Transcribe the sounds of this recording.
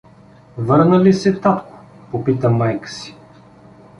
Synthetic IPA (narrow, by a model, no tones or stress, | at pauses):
vɤɾnəlisɛt̪at̪kʊ̥ | popit̪əmajkə̥si̥